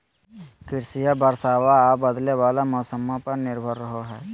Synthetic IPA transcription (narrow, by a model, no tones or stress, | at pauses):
kɪɾsijabəɾsaːwaːbəd̪lewaːlamɔːsəmõpɐɾnɪɾbʱəɾːəɦoɦɛː